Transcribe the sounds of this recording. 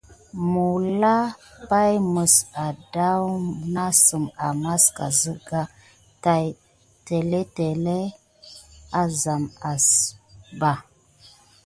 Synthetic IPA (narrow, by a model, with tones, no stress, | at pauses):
mu˨la˦pa˦jmə˨sa˨da˦wna˦sə˨ma˨ma˦ska̰˨zə˦ɡa˦ | ta˨j | te˨le˦te˨le˦ | a˨za˨ma˨sba˨